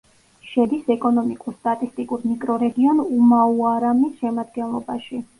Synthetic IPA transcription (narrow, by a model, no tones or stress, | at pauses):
ʃɛd̪isɛkʼɔnɔmikʼuɾst̪ʼat̪ʼist̪ʼikʼuɾmikʼɾɔɾɛɡiɔnumauaɾamisʃɛmad̪ɡɛnlˠɔbaʃi